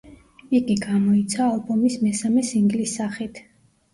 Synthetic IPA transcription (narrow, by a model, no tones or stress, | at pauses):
iɡiɡamɔit̪sʰaːlˠbɔmismɛsamɛsiŋɡlisːaχit̪ʰ